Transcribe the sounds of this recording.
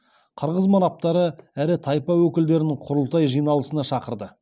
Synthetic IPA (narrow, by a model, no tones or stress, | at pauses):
qʰəɾʁəzmɑnɑp̚t̪ɑɾəæɾɪt̪ʰɑjpɑwɵkʲɪld̪e̞ɾɪnɪŋqʰʊɾəlˠt̪ɑjʒijnɑlˠəsənɑʃɑqəɾd̪ə